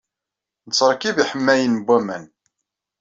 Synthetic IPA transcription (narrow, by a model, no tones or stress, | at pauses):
nət͡sːəɾˤkiviħəmːæjənbːæmæn